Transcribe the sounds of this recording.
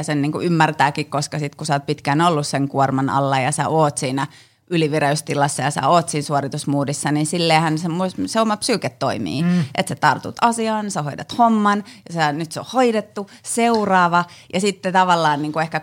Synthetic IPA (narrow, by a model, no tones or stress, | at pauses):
senniːŋkṵymːært̪æːkikkoskɑsit̪kusɑoːt̪̚pit̪kænolːusseŋkuormɑnɑ̰lːɑjɑsæ̰ʔoːt̪siːnæ | ʔyliʋireyst̪ilɑsːɑjɑsɑ̰oːt̪siːnsuorit̪usmuːdisːɑninsilːeːhænsemoseomɑpsyːket̪ːoimḭːʔet̪set̪ɑrt̪ṵt̪ɑsiɑːnsehoit̪ɑt̪homːɑnjɑsænyt̪seo̰hoidet̪ːu | seurɑːʋɑjɑsit̪ːet̪ɑʋɑlːɑːnniːŋkuehkæ